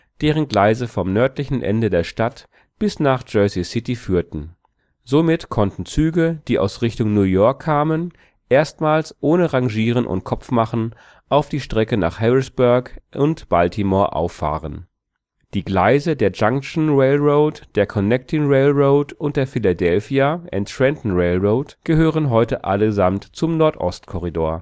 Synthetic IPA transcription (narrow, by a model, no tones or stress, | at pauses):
d̥eːʁ̞ənɡlaɪzəfɔmnœɐtlɪçn̩ʔɛ̰ndədeːɐʃtat | b̥ɪsnaːχd͡ʒœsisɪtifyːɐtn̩ | zomɪtkʰɔntn̩t͡syːɡəd̥iːʔa̰ʊsʁɪçtʊŋnuːjɔɐkʰːaːmən | ʔeːɐstmaːlsʔoːnəʁaŋʒiːʁənʔʊ̰nt̚kʰɔpp͡fmaχn̩ | ʔaʊfd̥iːʃtʁ̥ɛkəna̰ːχhɛʁɪsb̥ʊɐkʔʊntb̥altʰimɔɐʔa̰ʊfa̰ːʁən | d̥iːɡlaɪzədeːɐd͡ʒaŋkʃn̩ʁeɪlʁoʊtd̥eːɐkʰɔnɛk̚tʰɪŋʁeɪlʁoʊtʊnt̚d̥eːɐfɪladɛlfiaʔɛntɹɛntn̩ʁeɪlʁoːʊtɡ̥əɦøːʁənɦɔʏtəʔa̰ləzamtt͡sʊmnɔɐtʔɔ̰stkʰɔʁidoːɐ